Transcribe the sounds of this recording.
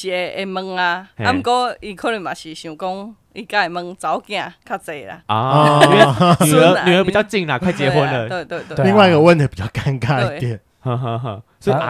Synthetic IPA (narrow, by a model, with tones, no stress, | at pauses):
ɕi˨e˨˦e˧mə˧ŋa˧a˦m˨kɔ˦i˧kʰo˦ɾi˧˩mã˨˩ɕi˨ɕũ˨˩kɔ˦ŋ | i˧ka˦e˨mə˧˦ŋt͡sa˨˦wkj̃ã˧kʰa˦˧˩t͡se˨la̰˨ɔ˨˦ɔ̃˧˨˦ | ə˧˦˧nĩ˨ə˧pt͡ɕja˥˧ʊt͡ɕi˥˧ŋla˨kʰwa˥˩jt͡ɕje˧ɦwə˧˦nnə˧t̪we˥˧t̪we˧li˦˧ŋwa˧˨˧ə˧wə˥˧ne˨˧˩pi˨˩t͡ɕa˥˧˩ka˧nka˦˨˧t̪jɛ˨n | hã˧ɦə̃˧ɦə̃˧sɔ˦i˨˧